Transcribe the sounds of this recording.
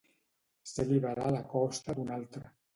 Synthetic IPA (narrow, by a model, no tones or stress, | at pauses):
seliβaɾalakɔst̪ad̪unalt̪ɾa